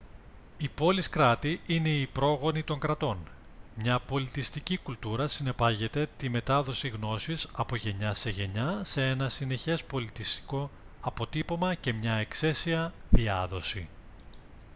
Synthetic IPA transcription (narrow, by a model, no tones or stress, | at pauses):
ipo̞liskɾɐt̪iine̞ipɾo̞ɣo̞nit̪o̞ŋɡɾɐt̪o̞n | mɲɐpo̞lit̪ist̪icikult̪uɾɐsine̞pɐʝe̞t̪e̞t̪ime̞t̪ɐðo̞siɣno̞sisɐpo̞ʝe̞ɲɐse̞ʝe̞ɲɐse̞e̞nɐsine̞çe̞spo̞lit̪ist̪i̥ko̞ | ɐpo̞t̪ipo̞mɐce̞mɲɐe̞kse̞siɐðiɐ̰ðo̞si